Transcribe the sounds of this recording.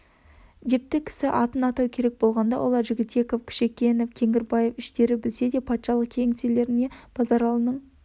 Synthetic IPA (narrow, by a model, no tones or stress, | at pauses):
d̪e̞p̚t̪ɪkʲʰɪ̥sɪʔɑt̪ənɑt̪ɑwkʲʰe̞ɾe̞k̚bo̞lˠʁɑnd̪ɑ̰wʔo̞lˠɑɾʒɪɡʲɪt̪̚be̞ko̞fkʲʰɪ̥ʃe̞kʲe̞nofkʲʰe̞ŋɪɾbɑje̞fɪʃt̪e̞ɾɪbɪlse̞d̪e̞pʰɑt̪ʃɑlˠəq̚kʲʰeŋt̪ele̞ɾɪne̞b̥ɑzɑɾɑlˠənəɴ